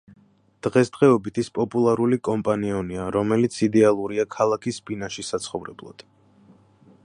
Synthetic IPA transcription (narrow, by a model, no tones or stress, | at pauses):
d̪̥ʁɛsd̪̥ʁɛɔbit̪ʰispʼɔpʼulˠaɾulikʼɔmpʼaniɔniaɾɔmɛlit̪sʰid̪ɛalˠuɾiakʰalˠakʰisbinaʃisat̪sʰχɔvɾɛ̰blˠɔ̰d̪̥